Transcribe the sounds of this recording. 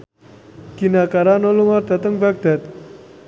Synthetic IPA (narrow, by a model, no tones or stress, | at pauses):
kinakaɾanɔluŋɔɾd̪a̤t̪əŋbaɡ̚d̪at̪̚